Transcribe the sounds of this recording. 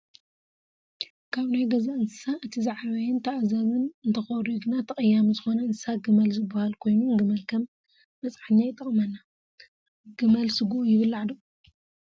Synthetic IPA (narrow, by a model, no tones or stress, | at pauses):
kʰaβnajɡɐzaɨnsɨ̥saʔɨt̪ʰizaʕaβɐjɪnt̪ʰaʔzɐβɨnɨnt̪ʰɐxoɾiɡɨnat̪ʰɐχʼɐjːamuzɨxo̞nɐɨnsɨsaɡɨmɐlzɨbːahalkʰo̞jnunɡɨmɐlkʰɐmː | ɐt͡sʼħɨɲːajɪt̪ʼɐχʼmɐnːa | ɡ̥ɨmɐlsɨɡuʔujɪβɨlːaʕd̪o